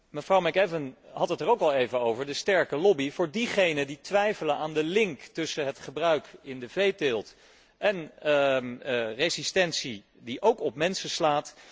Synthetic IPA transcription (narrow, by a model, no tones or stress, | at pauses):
məfrɑwmɛkɛvənɦɑtətərowkɑlˠejvəowvəɹdəstɛɹkəlɔbivʊːɹdiχejnəditʋɛjfələnʔaːndəlɪŋktɵsəɦətχəbrœɥkɪndəvejtɪlˠt | ʔɛn | rezistɛnsi | diʔowkɔp̚mɛnsəslaːt